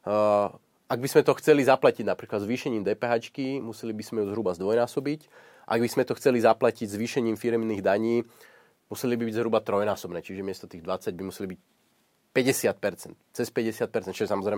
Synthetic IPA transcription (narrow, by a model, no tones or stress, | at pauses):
ʔaɡ̚bizmɛt̪ɔxt͡sɛlizaplaciɟnapɾiːklad̪zʋiːʃɛɲiːmd̪ɛːpɛːɦaːt͡ʃkimusɛlibizmɛjuzɦɾubazd̪ʋɔjnaːsɔbic | ʔʔaɡbizmɛt̪ɔxt͡sɛlizaplaciɟzʋiːʃɛɲiːmfiɾɛmniːɣd̪aɲiː | musɛlibibiɟzɦɾubat̪ɾɔjnaːsɔbnɛːt͡ʃiʒɛmɪɛst̪ɔt̪iːɣd̪ʋat͡saɟ̚bimusɛlibic̚ | pɛɟɛsɪat̪̚pɛɾt͡sɛnt̪t͡sɛspɛɟɛsɪat̪̚pɛɾt͡sɛnt͡ʃiʒɛsamɔzɾɛjm